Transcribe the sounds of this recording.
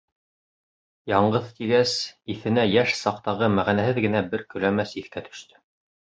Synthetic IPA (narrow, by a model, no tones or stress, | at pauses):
jɑɴɢɤðt̪iɡæsiθɘ̆næjæʃsɑqt̪ɑʁɤmæʁænæhɘðɡɘ̆næbɘɾkɵ̆læmæsiθkæt̪ʰɵ̥̆ʃt̪ɘ̥